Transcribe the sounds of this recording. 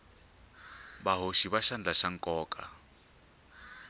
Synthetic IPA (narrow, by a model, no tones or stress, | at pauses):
baɦoʃiβaʃand͡ɮaʃaŋ̩kʼɔːkʼa